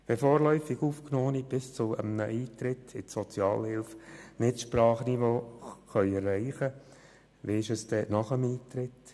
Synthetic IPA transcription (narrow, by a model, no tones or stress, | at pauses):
ʋɛfoːɾlœʏfɪɡuːfknoːnib̥ɪst͡sʊə̰mnəʔiːt̪ɾɪtʰɪtsɔt͡sjɑːlhɪlfnɪtʃprɑːχnivoːχœʏɛrːæɪχə | ʋiɪʃəsd̥ɛnɑχəmiːt̪ɾɪt̪